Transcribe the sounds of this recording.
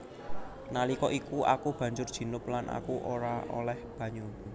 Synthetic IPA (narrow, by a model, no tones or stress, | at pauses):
nalikɔʔikuʔa̰kub̥ä̤ɲd͡ʒʊrd̥ʒ̥i̤nʊplanʔa̰kuʔoɾaʔo̰lɛhb̥ä̤ɲu